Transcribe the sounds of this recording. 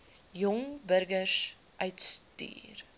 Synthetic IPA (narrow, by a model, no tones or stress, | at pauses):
jɔŋbəɾɡərs | ʔœɥtsty̰ːr